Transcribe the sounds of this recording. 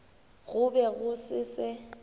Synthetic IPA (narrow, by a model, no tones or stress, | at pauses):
ɣʊbɛɣʊsɪsɪ